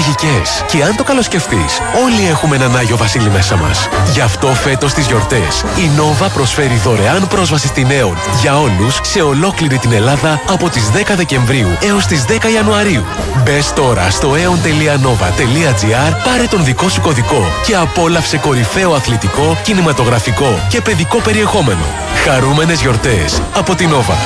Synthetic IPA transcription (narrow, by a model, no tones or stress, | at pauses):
ʝicesce̞ɐnt̪o̞kɐlo̞sce̞ft̪is | o̞lie̞xumenɐnɐʝo̞vɐsilime̞sɐmɐ̰sʝɐft̪o̞fe̞t̪o̞st̪izʝo̞ɾt̪e̞s | ino̞vɐpɾo̞sfe̞ɾiðo̞ɾe̞ɐnpɾo̞zvɐsist̪ine̞onʝɐo̞lusːe̞o̞lo̞kliɾit̪ine̞lɐðɐɐpo̞t̪izðe̞kɐðe̞ce̞ɱvɾiue̞o̞st̪izðe̞kɐiɐnuɐɾiu | be̞st̪o̞ɾɐ̰st̪o̞e̞ont̪e̞liɐno̞vɐ̰t̪e̞liɐd͡ziɐɾpɐɾet̪onðiko̞su̥ko̞ðiko̞ce̞ɐpo̞lɐfse̞ko̞ɾife̞oɐθlet̪iko̞cinimɐt̪o̞ɣɾɐfiko̞ce̞pe̞ðiko̞pe̞ɾie̞xo̞me̞no̞̰ | xɐɾume̞ne̞zʝo̞ɾt̪e̞sɐpo̞t̪ino̞vɐ̰